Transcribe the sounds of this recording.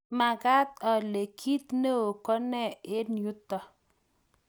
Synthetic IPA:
ma˨ɡa˦t̪̚ɔ˨le˨kʰi˦t̪ne˦o˨kɔ˦nɛ˦˨e˦nju˦t̪ːɔ˨

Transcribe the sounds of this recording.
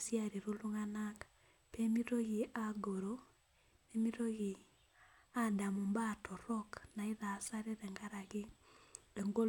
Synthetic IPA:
sja˨ɾi˨ɾu˦lu˦ŋana˦k | pe˦mi˦ɾo˦ɣi˨ʔa˦ɡo˨ɾo˨ | e˦mi˦ɾo˦ɣi˨ | a˦da˨mu˨mba˦tɔ˨ɾɔ˦kna˨i˦ða˨sa˦ɾe˦ɾɛ˨ŋɡa˦ɾa˨ɣɪ˦ | e˨ŋɡo˦

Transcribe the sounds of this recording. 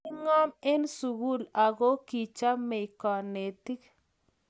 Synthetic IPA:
ɪ˦ŋɔ˦me˦nsu˨ɣu˦la˨ɣo˦ki˨t͡ʃa˦mɛ˨ɪ˨kɔ˨ne˨ti˦k

